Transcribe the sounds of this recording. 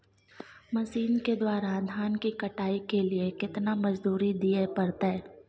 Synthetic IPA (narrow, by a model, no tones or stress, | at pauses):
mɐsiːnked̪waːɾad̪ʱaːnkikɐʈaːikeliekɪt̪namɐd͡ʒd̪uːɾid̪iepɐɾt̪aː